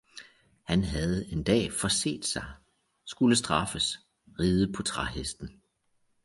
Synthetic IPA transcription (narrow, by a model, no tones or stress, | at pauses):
hænɦæð̞̩ˠe̝nd̥ɛ̰ːfɒse̝̰ːd̥sɑ̈ɪ | sɡ̥uləsd̥ʁɑ̈fəs | ʁiːð̞ˠəpʰɒ̽t͡sʰʁɑɦesd̥n̩